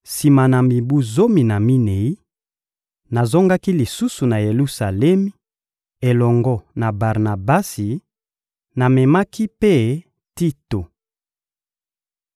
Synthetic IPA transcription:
si˨ma˨na˨mi˨bu˦zo˦mi˨na˨mi˦ne˨i˦ | na˨zo˦ŋɡa˦ki˦li˨su˦su˨na˨je˨lu˦sa˨le˦mi˦ | e˨lɔ˨ŋɡɔ˦na˨ba˨ʁna˨ba˦si˨ | na˨me˨ma˦ki˦pe˦˨ | ti˦to˨

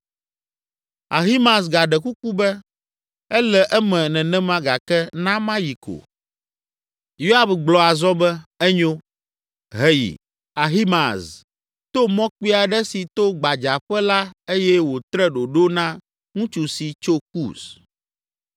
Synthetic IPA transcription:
a˨ɦi˦mã˨s̬ɡa˨ɖɛ˨ku˦ku˦bɛ˦ | ɛ˦lɛ˨ʔɛ˦mɛ̃˨nɛ̃˨nɛ̃˦mã˦ɡa˨kɛ˦nã˦mã˦ji˨ko̰˨ | jo˦a˦bɡ͡blɔ˨a˨zɔ˦bɛ˦ɛ˦ɲo˦ | ɦɛ˨jḭ˨ | a˨ɦi˦ma˨s | t̪o˦mɔ̃˦k͡pi˦a˨ɖɛ˦si˨t̪o˦ɡ͡ba˨d͡ʒa˨ɸɛ˦la˦e˦jɛ˦wo˨t̪ɾɛ˦ɖo˨ɖo˦nã˦ | ŋũ˦t͡ʃu˨si˨t͡ʃo˦kṵ˦˨s

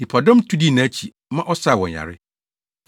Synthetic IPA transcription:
i˨pʰa˨dɔ̃˦mtʰu˦di˦˨nã˨˦t͡ɕʰi˨ | mã˦ʔɔ˦sa˦˨wɔ̃˨ɲ˨a̰˨ɾɪ˦

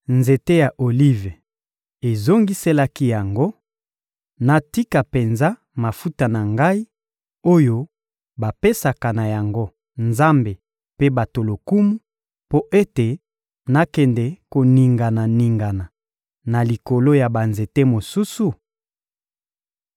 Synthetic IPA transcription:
nze˨te˦ja˨ʔo˨li˦ve˨ | e˨zo˦ŋɡi˦se˦la˦ki˦ja˨ŋɡo˦ | na˨ti˦ka˨pe˨nza˦ | ma˨fu˦ta˨na˨ŋɡa˦i˦ | o˦jo˦ | ba˨pe˦sa˨ka˨na˨ja˨ŋɡo˦ | nza˦mbe˨ | pe˦ba˨to˨lo˨ku˦mu˦ | po˦ʔe˦te˨ | na˦kɛ˨ndɛ˨ko˨ni˨ŋɡa˨na˨ni˨ŋɡa˨na˨ | na˨li˨ko˨lo˦ja˨ba˨nze˨te˦mo˨su˦su˨

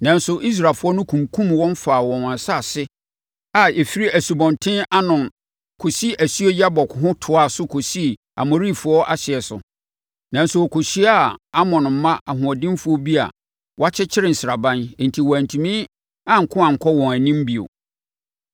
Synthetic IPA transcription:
nã˨nsʊ˨ʔi˦s̬ɾa˨fʊ˦ɔ˦nʊ̃˦kʰũ˨mkʰũ˦mwɔ̃˦ɱ˦faː˨wɔ̃˨nã˨sa˦˨sɪ˦ | a˨e˨fi˦ɾi˦æ˨su˨bɔ̃˨ntʰɪ̃˦nʔa˦nʊ̃˨n | kʰo˨si˦ʔæ˨su˦e˦ja˦bɔ˨kʰʊ˨ɦʊ̃˦tʰʊ˨a˦˨sʊ˦kʰo˨si˦˨ | a̰˨mo˨ɾi˦˨fʊ˦ɔ˦ʔa˦ɕɪ˨ɛ˨sʊ̰˨ | nã˨n˦sʊ˨ɔ˨kʰo˨ɕi˦a˦˨a˦mɔ̃˨n˨m̩˦mã˦ʔa˨ɦʊ̃˨ɔ˨dɪ̃˦m˦fʊ˦ɔ˦bi˦a̰˨ | wʔɔ˦a˦t͡ɕʰɛ˦t͡ɕʰɪ˦ɾɪ˨n̩˨sɪ˨ɾa˨bã˦n̩˨n̩˨tʰi˨wɔ˨æ˨n˨tʰũ˨mĩ˦ | ã˦ŋ̩˨kʰʊ̃˦ã˨ŋ̩˨kʰɔ˦wɔ̃˨æ˨nĩ˦m˦bi˨o̰˨

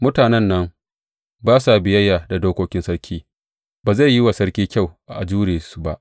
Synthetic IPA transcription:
mʊ˦taː˨nɛ˦nːɐ˦ŋ | baː˦sa˨bɪ˨jɐ˦jːaː˨da˨doː˦kʷoː˦kʲɪ˦nsɐ˦ɾkʲʰiː˦ | baː˨za˦˨jːɪ˦wa˨sɐ˦ɽkʲiː˦kʲa˦˨wʔa˨ʔa˨d͡ʒuː˦ɽeː˨su˨ba˦ʔ

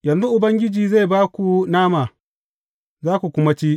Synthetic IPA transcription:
jɐ˨nzu˦ʔʊ˨bɐ˦ŋɡʲɪ˦d͡ʒiː˨za˦˨jbaː˦kʷu˨naː˦maː˨ | zaː˦kʷu˨kʷʊ˦ma˦t͡ʃiː˦

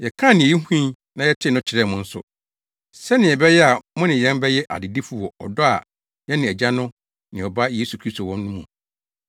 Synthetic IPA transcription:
jɛ˨kʰã˦˨nɪ̃˨ji˦hũ˦ĩ˦ | nã˨jɛ˦tʰɪ˦˨nʊ̃˦t͡ɕʰɪ˨ɾɛ˦˨mʊ̃˨n̩˦sʊ̰˨ | sɛ˦nɪ̃˨ɛ˨bɛ˦jɛ˦a˨mʊ̃˦nɪ̃˨jɛ̃˦mbɛ˦jɛ˦ʔa̰˨dɪ˨di˦fu˦wɔ˨ɔ̰˨dɔ˦a̰˨ | jɛ˦nɪ̃˨ɛ˨d͡ʑa˦nʊ̃˦ | nɪ̃˨ɔ˨ba˦je˦su˨kʰɾi˦sto˨wɔ̃˦mnʊ̃˦mũ˨

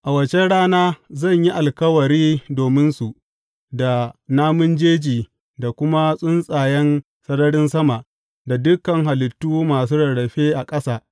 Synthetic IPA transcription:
ʔa˨wɐ˨t͡ʃe˦ɽaː˦naː˦zɐ˦˨ɲji˦ʔa˨lkɐ˦wɐ˨ɾiː˦doː˨mɪ˦nsu˨ʔ | da˨naː˦mʊ˦nd͡ʒeː˦d͡ʒiː˨ | da˨kʷʊ˦ma˦sʼʊ˦nsʼaː˨jɛ˦n | sɐ˦nɐ˦ɽɪ˦nsɐ˦ma˨ʔ | da˨dʊ˦kːɐ˨ŋɦa˨lɪ˨tːuː˦maː˨suː˦ɽɐ˨ɽɐ˨ɸeː˦ʔa˨kʼɐ˦saː˨

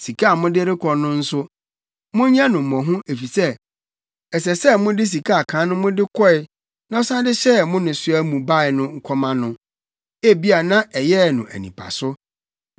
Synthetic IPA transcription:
si˨kʰa˦a˨mʊ̃˦dɪ˦ɾɪ˦kʰɔ˨nʊ̃˦n̩˦sʊ˦ | mʊ̃˦ɲã˦nʊ̃˨m̩˨mɔ̃˨ɦʊ̃˦e˨fi˨sɛ˦ | ɛ˨s̬ɛ˨sɛ˦mʊ̃˦dɪ˦s̬i˨kʰa˦a˨kʰãː˨˦nʊ̃˦mʊ̃˦dɪ˦kʰɔ˦ɪ˦ | nã˦ɔ˦sã˦dɪ˦ɕɛ˦mʊ̃˦nʊ̃˨sʊ˦æ˦mũ˨ba˦ɪ˨nʊ̃˦ŋ̩˦kʰɔ˦mã˦nʊ̃˦ | e˦bi˦a˨nã˦ɛ˨jɛ˦˨nʊ̃˨ʔæ̰˨nḭ̃˨pʰa̰˨sʊ˦

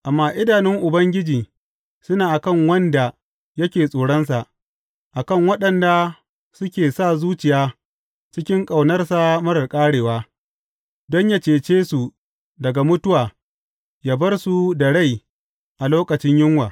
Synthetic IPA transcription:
ʔa˨mːaː˦ʔɪ˦daː˨nɪ˦ŋʔʊ˨bɐ˦ŋɡʲɪ˦d͡ʒiː˨ | sʊ˦naː˨ʔa˨kɐ˦˨ŋwɐ˦nda˨ | jɐ˦kʲeː˨sʼoː˨ɽɐ˦nsa˨ʔ | ʔa˨kɐ˦˨ŋwɐ˦ɗɐ˨nda˨ | sʊ˦kʲeː˨sa˦˨zuː˦t͡ʃɪ˨jaː˦ | t͡ʃɪ˦kʲɪ˦ŋkʼa˨wnɐ˦rsa˨mɐ˦ɽɐ˨rkʼaː˦ɽeː˨waː˦ | dɔ˦ɲja˦t͡ʃeː˨t͡ʃeː˦su˨ | dɐ˨ɡa˨mʊ˦tʊ˦waː˨ | jaː˦bɐ˦rsu˨da˨ɽa˦˨j | ʔa˨loː˦kɐ˨t͡ʃɪ˦ɲjɪ˦ŋwaː˨

